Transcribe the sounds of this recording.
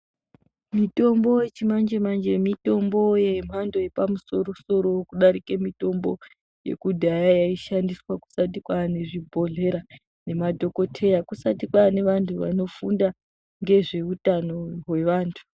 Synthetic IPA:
mito̞mbo̞jet͡ʃimand͡ʒemand͡ʒemito̞mbo̞jem̤ando̞jepamuso̞ɾoso̞ɾo̞kuɗaɾikemito̞mbo | je̞̰kudʱajajaiʃandiswaku̥sat̬ikwane̞ʐibʱo̞ɮe̞ɾa | ne̞madʱo̞ko̞tʰe̞jakusatikwane̞ʋantʰuʋa̰no̞funda | ŋɡe̞ʐe̞utano̞we̞ʋaːntʰu̥

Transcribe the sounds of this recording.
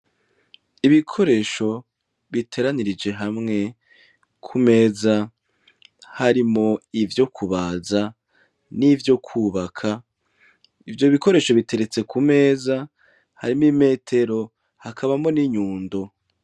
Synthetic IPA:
iβikʰo̞ɾe̞ːʃo̞ | βitʰe̞ɾaniɾid͡ʒe̞ɦamŋe̞ | kʰume̞ːza | haɾimo̞ivjo̞kʰuβaːza | nivjo̞kʰuːβakʰa | ivjo̞βiko̞ɾe̞ːʃo̞βite̞ɾe̞t͡se̞kume̞ːza | haɾimime̞ːtʰe̞ɾo̞ | hakʰaβamo̞niɲuːndo̞

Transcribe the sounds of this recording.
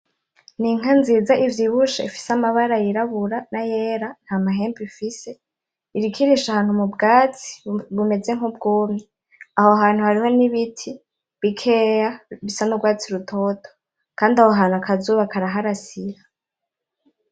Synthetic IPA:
niŋ̥anziːzaʔivjiβuʃaifi̥samaβaɾajiɾaβuɾanajeːɾan̥hamaɦe̞ːmbifise̞ | iɾikʰiɾiʃahaːn̥humubɡaːt͡si̥βume̞d͡ze̞ŋhub̚ɡuːmɲi | ahoɦaːn̥huhaɾiho̞niβitʰi | βikʰejaβisanuɡwaːt͡siɾutʰo̞tʰo̥ | kaːndiahoɦaːnuakʰazuːβakaɾaɦaɾasiɾa

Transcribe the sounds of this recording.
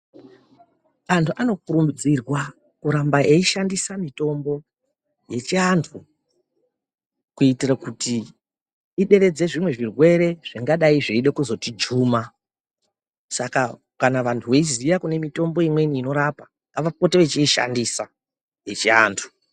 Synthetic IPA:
antʰuʔano̞kurumbid͡zirwa | kuɾambaʔeiʃandisamito̞mbo̞ | je̞t͡ʃiantʰu | kuitirakuti | iɗe̞ɾe̞d͡ze̞ʐimwe̞ʐirwe̞ɾe̞ʐ̥iŋɡaɗaiʐeiɗekuzo̞tid͡ʒuːma | saka | kanaʋantʰuʋeizijakune̞mito̞mbo̞imwe̞niːno̞ɾapa | ŋɡaʋapo̞teʋet͡ʃiiʃa̰ndisa | je̞t͡ʃia̰ːntʰu̥

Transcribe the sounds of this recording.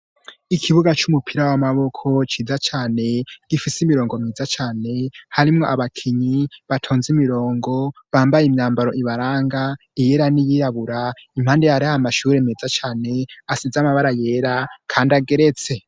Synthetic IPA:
ikʰiβuɡat͡ʃumupʰiɾawamaβo̞kʰo̞t͡ʃiːzat͡ʃaːne̞ɡ̥ifisimiɾo̞ːŋɡo̞miːzat͡ʃaːne̞haɾimŋo̞̰ʔaβakʰiɲiβatʰoːnzimiɾo̞ːŋɡo̞βaːmbajemɲaːmbaɾo̞ʔiβaɾaːŋɡa | ijeɾanijiɾaβuɾaim̥haːndejaɾiaamaʃuːɾemezat͡ʃaːne̞asizamaβaɾaje̞ːɾakʰaːndaɡe̞ɾe̞t͡se̞

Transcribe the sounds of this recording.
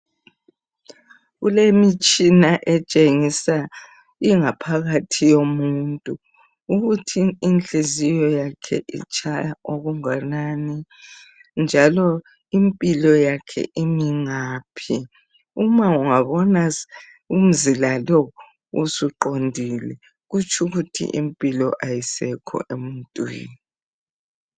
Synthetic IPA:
ɣulemit͡ʃʼinaʔɛt͡ʃʼeŋisa | iŋapʰaɣatʰijomuntʼuː | ɣutʰiːnt͡ɬʼezijɔjakʰɛ̰ʔḭt͡ʃʰʼajaʔoɣuŋanaːni | nd͡ʒʱalɔ | impʼilɔjakʰɛ̰ʔimiŋaːpʰi | umauŋaβɔna | um̩zilalɔ | ṵsuǃondʱilɛ | ɣut͡ʃʰʼuɣutʰḭʔimpʼilɔʔajisɛkʰɔ̰ʔemuntʼwḭːni

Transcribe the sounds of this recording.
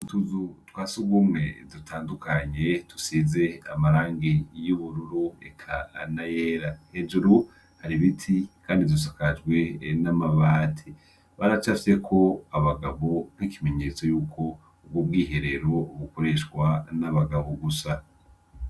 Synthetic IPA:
utuzutwaːsuɡumŋe̞dutʰaːndukʰaɲe̞tu̥size̞a̰maɾaːŋɡejuβuɾuɾuḛkʰa̰najeːɾahed͡ʒuɾu | haɾiβitʰikʰaːndizdus̬akad͡ʒɡwe̞namaβaːtʰi | βaɾat͡ʃafi̥se̞kʰo̞aβaɡaβo̞n̥hikʰime̞ɲe̞ːt͡so̞juːkʰo̞ | ub̚ɡobɡiːɦe̞ɾe̞ɾo̞βuko̞ɾe̞ʃwanaβaɡaβoɡusa

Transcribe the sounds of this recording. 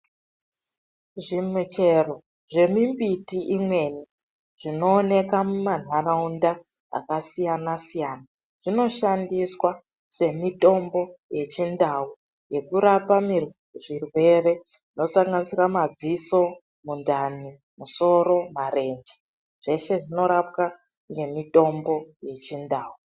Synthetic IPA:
ʐimut͡ʃe̞ro̞ | ʐe̞mimbitiʔimwe̞ni | ʐ̥ino̞ːne̞kamuman̤araunda | a̰kasijanasijana | ʐ̥ino̞ʃandiswa | se̞mito̞mbo̞je̞t͡ʃindau | je̞kuɾapami | ʐirwe̞re̞ | ʐino̞saŋɡanisiramad͡ziso̞ | mundani | muso̞ɾo̞maɾe̞nd͡ʒe | ʐ̥e̞ʃe̞ʐino̞ɾap̚ka | ŋɡe̞mito̞mbo̞je̞t͡ʃindaːwu

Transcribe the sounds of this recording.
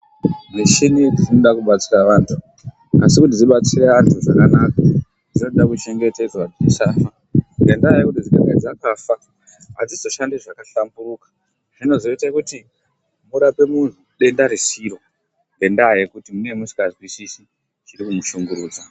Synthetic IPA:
neʃiniʐinoɗakuɓat͡siraʋaːntʰu | a̰sikut̬id͡ziɓat͡sire̞antʰuʐakanaka | d͡zino̞ɗakut͡ʃe̞ŋɡe̞te̞d͡zwad͡ziʃaːfa | ŋɡe̞ndajekutid͡ziɡa̰ɡa̰d͡zakafa | a̰d͡zizoʃandeʐakaɬambuɾuːkḁ | ʐ̥ino̞zo̞itakuti | muɾape̞mun̤uɗe̞ndaɾisiɾo̞ | ŋɡe̞ndaje̞kutimune̞musi̥kazwisisi | t͡ʃirikumuʃuŋɡuɾuːd͡za

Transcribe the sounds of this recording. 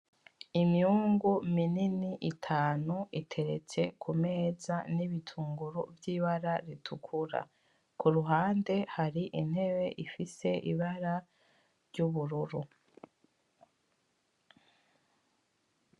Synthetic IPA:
imihuːŋɡumininiʔitʰaːnuitʰe̞ɾe̞t͡se̞kʰume̞ːzaniβitʰuːŋɡuɾuvjiːβaɾaɾitʰukʰuɾa̰ | kuɾuɦaːnde̞haɾiʔin̥he̞βe̞ʔifise̞ʔḭβaɾa | ɾɟuβuɾuɾu

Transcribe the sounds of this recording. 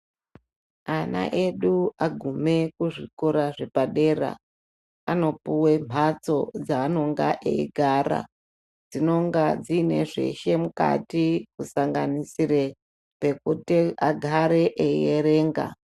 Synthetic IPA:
ana̰ʔe̞ɗuaɡʱume̞kuʐikoɾaʐe̞paɗe̞ːra̰ | ano̞puwe̞m̤ʱat͡so̞d͡zaːno̞ŋɡaʔḛiɡʱaːɾa̰ | d͡zino̞ŋɡad͡zine̞ʐe̞̰ʃe̞muka̰tikusaŋɡanisire̞ | pe̞kutiaɡʱaɾe̞ʔejeɾe̞ːŋɡa̰

